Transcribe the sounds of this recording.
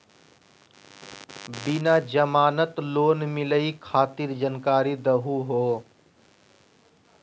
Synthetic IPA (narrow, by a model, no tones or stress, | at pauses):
bɪnaːd͡ʒəmaːnət̪loːnmɪləikʰaːt̪iɾd͡ʒənkaːɾid̪əɦuɦoː